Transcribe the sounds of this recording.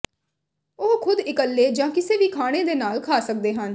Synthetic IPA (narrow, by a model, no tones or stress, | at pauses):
oːkʰʊd̪ɪkəlːeːd͡ʒãːkɪseːʋiːkʰaːɽ̃eːd̪eːnaːlkʰaːsək̚d̪eːɦən